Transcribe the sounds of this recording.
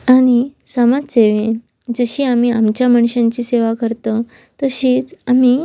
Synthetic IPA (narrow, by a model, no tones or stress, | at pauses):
aɽ̃isamaseʋen | d͡zəɕiːamiamt͡ɕjaməɳ̃ɕãɲt͡ɕiːseʋakəɾt̪ə | t̪əɕiːt͡sami